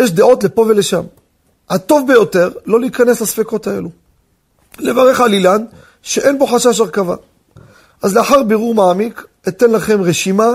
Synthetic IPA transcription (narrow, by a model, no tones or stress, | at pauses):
jeʃd̪eo̞tle̞po̞ve̞le̞ʃam | at̪o̞vbe̞jo̞te̞ʁlo̞liːkane̞slasfeko̞t̪ae̞̰lu | le̞vaʁe̞χalilan | ʃeʔe̞nbo̞ħaʃaʃaʁkava̰ | ʔazleaħaʁbeʁuʁmaːmik | et̪e̞nlaχe̞mʁeʃima